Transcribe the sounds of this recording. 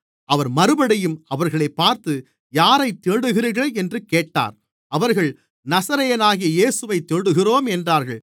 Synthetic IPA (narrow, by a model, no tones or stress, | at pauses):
ʔɐʋɐɾmɐɾɯbɐɽɐjɯmɐʋɐɾɣɐɭɐɪpːaːɾt̪ɯ | jaːɾɐɪt̪ːeːɽɯɣɪɾɯɣɐɛndrɯkːeːʈːa̰ːɾ | ɐʋɐɾɣɐɭ | nɐsɐɾɐjɐnaːɣɪjɐjeːsɯʋɐɪt̪ːeːɽɯɣɪroːmɛndraːɾɣɐɭ